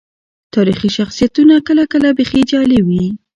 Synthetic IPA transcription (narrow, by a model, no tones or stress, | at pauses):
t̪ɑɾixiʃaxsijat̪unakəlakəlabexed͡ʒɑlewi